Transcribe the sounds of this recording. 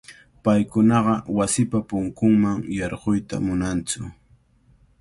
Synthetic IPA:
pajkʊnɑɢɑwasɪpapʊŋkʊŋmaŋjɑɾɢojt̪a̰mʊnant͡sʊ

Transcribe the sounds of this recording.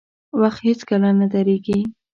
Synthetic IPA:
waxt̪het͡skalanad̪aɾeɡi

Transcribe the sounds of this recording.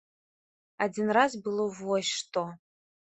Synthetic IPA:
ad͡zʲinrazbɨlˠovɔʃʂt̪ʼo

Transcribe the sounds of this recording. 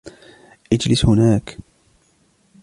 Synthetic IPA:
ʔɪd͡ʒlɪshʊnaːk

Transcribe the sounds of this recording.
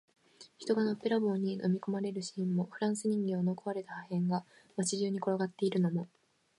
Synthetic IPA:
çi̥t̪o̞ɡano̞pːe̞ɾabo̞ːɲ̟ːino̞̰mʲiko̞maɾe̞ɾɯ̟ɕĩ̥mːo̞ɸɯ̟ɾãɰ̃sɨɲ̟ĩŋɡʲeono̞koβaɾe̞t̪ahahẽ̞ŋɡa | mat͡ɕiʑɨːɲ̟iko̞ɾoɡat̪ːe̞iɾɯ̟no̞mo̞

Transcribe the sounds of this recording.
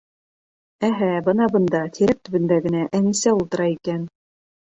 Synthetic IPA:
æɦæbɤ̆nɑbɤ̆nd̪ɑt̪ʰiɾæk̚t̪ɵ̆βɵ̆nd̪æɡɘ̆næʔæŋɘ̆sæulˠt̪ɤ̆ɾɑikæn

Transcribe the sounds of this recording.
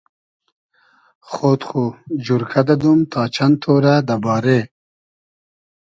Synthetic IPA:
xot̪xud͡ʑuɾkʰad̪ad̪umt̪ʰɑːt͡ʃʰant̪ʰoːɾad̪abɑːɾe

